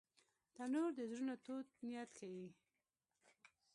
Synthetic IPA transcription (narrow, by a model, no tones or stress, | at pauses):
d̪̥anoɾd̪əzɾunat̪ot̪̚nijat̪kʰawi